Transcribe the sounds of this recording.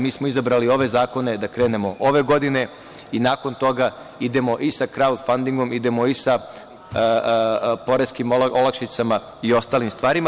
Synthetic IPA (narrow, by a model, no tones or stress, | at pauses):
miːsmo̞izabɾalio̞ʋe̞zaːko̞ne̞d̪akɾe̞ːne̞mo̞ʔoʋe̞ɡo̞d̪ine̞ | inaːko̞nt̪o̞ɡa | id̪e̞mo̞ʔisakɾaud̪fand̪iŋɡo̞mid̪e̞mo̞isa | po̞ɾeskimʔolˠakʃit̪sama | io̞st̪aːlimst̪ʋaːɾima